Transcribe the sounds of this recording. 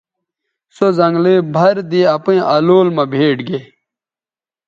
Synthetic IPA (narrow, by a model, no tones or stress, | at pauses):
sozɐ̃ŋɡlibʱɐɾd̪iɐpĩʔɐloːlmɐ̃bʱeːʈɡe